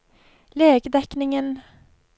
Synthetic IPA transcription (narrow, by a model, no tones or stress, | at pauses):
leːɡəd̪ɛknɪŋən